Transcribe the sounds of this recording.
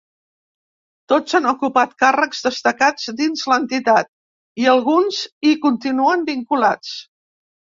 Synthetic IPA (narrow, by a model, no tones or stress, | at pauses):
t̪ozanukupat̪̚karəkzðəst̪əkad͡zd̪inzlənt̪it̪at̪̚ | iəlˠɣunzikunt̪inuəmbiŋkulat͡s